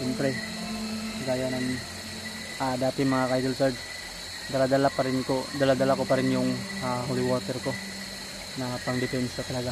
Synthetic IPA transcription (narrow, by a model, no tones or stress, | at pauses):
ɛmpɾɛ | ɡaːjanɐŋ | ʔaːd̪aːt̪ɪŋmɐŋakajd̪ʊlsɛɾd̪ | d̪ɐlad̪ɐlapɐɾɪnkod̪ɐlad̪ɐlakopɐɾɪnjʊŋaːɦolɪwoɾt̪ɛɾko̞ | nɐpɐŋd̪ɪpɛnsɐt̪ɐlɐɡa